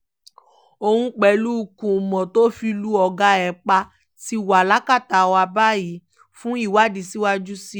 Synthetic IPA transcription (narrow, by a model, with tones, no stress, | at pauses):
o˧hũ˧k͡pɛ˨lu˦˧˨kũ˨mɔ̃˨to˦fi˧lu˦ɔ˧ɡa˧ɛ˨k͡pa˧ | ti˧wa˨la˦ka˦˨ta˨wa˧ba˦ji˨˦ | fũ˦i˦˨wa˦˨di˨si˦wa˦d͡ʒu˦si˦